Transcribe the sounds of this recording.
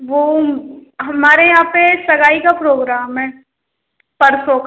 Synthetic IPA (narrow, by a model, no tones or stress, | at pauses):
ʋoː | ɦɐmaːɾejɐɦãːpesɐɡaːikapɾoːɡɾaːmɦɛː | pɐɾsok